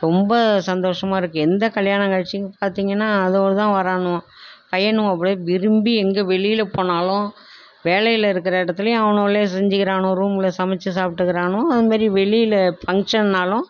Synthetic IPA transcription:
ɾɔmbɐsɐnd̪oːʂɐmaːɪɾɯkːɯɛnd̪ɐkɐɭjaːɳɐ̃ŋkɐːɻʈt͡ʃːɪŋɡɐpaːɾt̪iːŋɡɐnːaːɐðoːɽɯt̪ãːʋɐɾaːɳʊ̃pɐjɐɳʊ̃ɐpːɐɽʋɪɾɯmbiɛŋɡeːʋɛɭɪjɪlɐpoːɳaːlʊ̃ | ʋeːlɐjɪlɐɪɾɯkːɪɾɐɪɽɐt̪ːɯlɐjʊ̃ɐʋɐnoːɭeːsɛɲd͡ʒɯkɪɾaːɳʊ̃ɾuːmɪlɐsɐmɛt͡ʃːɯsaːpʈːɯɣɪɾaːɳʊ̃ɐðɯmaːd̪ɾiʋɛɭɪjɪlɐfɐŋkʂɐnːaːlʊ̃

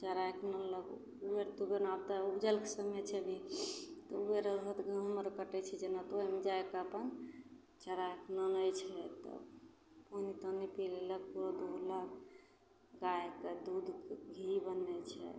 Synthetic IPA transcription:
t͡ʃəɾaeknələɡ̰ | ueɾt̪ubenabt̪əubd͡ʒəlkesəmjet͡ʃʰɛbʱit̪ɔueɾəɾɦət̪ɡəɦəməɾkəʈɛt͡ʃʰɛd͡ʒenat̪oemed͡ʒaekəpən | t͡ʃəɾajknələjt͡ʃʰɛt̪ə̰ | ponit̪ənipilelək̚puɾod̪ud̪lək | ɡajeked̪ud̪ɡʱibənːɛt͡ʃʰɛ̰

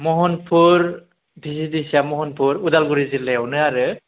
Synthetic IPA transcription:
mɔɦɔnpʰuɹ | dʱisidisiamɔɦɔnpʰuɾudalɡuɾizilɛwnɯaɾɯ

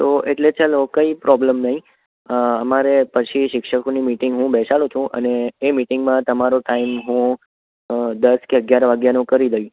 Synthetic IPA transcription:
t̪oʔeʈlet͡ʃalokəipɾʔɔbləmnəɦĩ | əmaɾepət͡ʃʰiʃɪkʃəkonimiʈɪŋɡɦũbɛʃalũt͡ʃʰũʔə̰neːmiʈɪŋɡmãt̪əmaɾoʈaimɦũ | d̪əskeəɡjaɾʋaɡjanũkəɾid̪əi

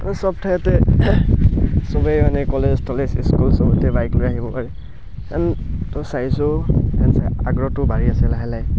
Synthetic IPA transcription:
sɔb̚tʰajɔtɛ | sɔbejmanɛkɔlezstʰɔlesiskulsɔbɔtɛbajklojaɦibɔpaɹɛ | kantɔsaisɔɛnsɛa̰ɡɹɔtʊbaɹiasɛlaɦɛlaj

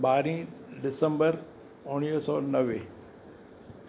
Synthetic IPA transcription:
baːɾĩɖɪsə̃mbəɾ | ʊɽ̃iːsɔːnɐʋe

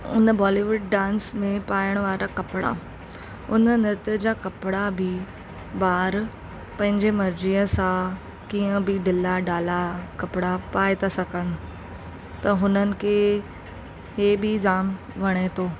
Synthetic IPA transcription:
ʊ̰nəbɔːliʋʊɖ̚ːãːnsmẽpaːəɽ̃ʋaːɾakɐpɽa̰ | ʊnənɪɾt̪əd͡ʑakɐpɪɽabʱɪ | baːɾ | pɐ̃ɦɪ̃ɲd͡ʑemɐɾd͡ʑiːə̃sã | kiːə̃bʱɪɖɪlaɖaːlakɐpɪɽapaːɪt̪ʰasɐkəɽ̃ʊ̆ | t̪ɐɦʊnənɪ̆kʰe | heːbid͡ʑaːm | ʋɐɽ̃et̪ʰoː

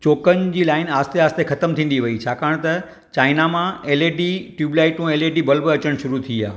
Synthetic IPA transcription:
t͡ɕoːkən̆d͡ʑiːlaːɪnaːst̪eaːst̪exɐt̪əmt̪ʰĩːn̆d̪iʋɐit͡ɕʰaːkaːɽ̃t̪ɐ | t͡ɕaːɪnamãeːleːɖiʈjuːblaːɪʈũeːleːɖibɐlbəɐt͡ɕəɽ̃ʃʊɾut̪ʰiia̰ː

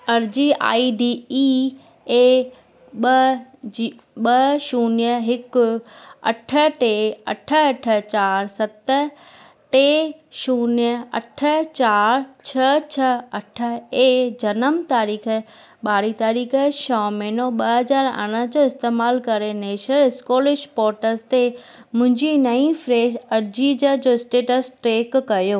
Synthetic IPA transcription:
ɐɾd͡ʑiːa̰ːiɖiːi | eː | ɓɐd͡ʑi | ɓɐʃuːnjəɦɪkʊɐ̰ʈʰə̆ʈeɐ̰ʈʰə̆ɐʈʰə̆t͡ɕaːɾsɐt̪ə | ʈeːʃuːnijəɐ̰ʈʰət͡ɕaːɾt͡ɕʰɐt͡ɕʰɐɐʈʰə̆eːd͡ʑɐnəmt̪aːɾiːkʰə | ɓaːɾit̪aːɾiːkʰəʃɔːmɛːnoɓɐɦɐzaːɾɐ̰ɽ̃əd͡ʑoːɪst̪eːmaːlkɐɾeneːʃəɾɪskoːlɪʃpɔːɾʈəzt̪e | mʊ̃ɦɪ̃ɲd͡ʑinɐĩfɾeːd͡ʑɐɾd͡ʑid͡ʑəd͡ʑoːɪsʈeːʈəsʈɾeːkːɐjoː

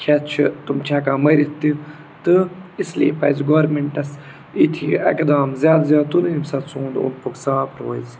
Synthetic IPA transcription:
kʲʰɛtt͡ʃʰit̪umt͡ʃʰaːkaːmɐɾit̪ːi | t̪ɨislḭːpɐzɡoːɾmeɳʈɐs | it̪ʰiɐ̰kd̪aːmzʲjaːd̪zʲjaːt̪uniimsɐt̪sũːnd̪o̰npuksaːpɾoːiz

